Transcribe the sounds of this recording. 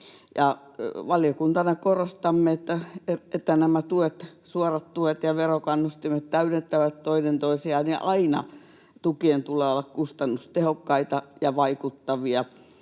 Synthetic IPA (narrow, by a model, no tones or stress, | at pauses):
jɑ | ʋɑliokunt̪ɑnɑkorost̪ɑmːeet̪ːæeet̪ːænæmæt̪uet̪suorɑt̪t̪uet̪jɑʋerokɑnːust̪imet̪t̪æynent̪ːæʋæt̪t̪oinent̪oisiɑniʔɑinɑ̰ | t̪ukient̪uleːolːɑkkust̪ɑnːust̪ehokːɑit̪ɑjɑʋɑikut̪ːɑʋiɑ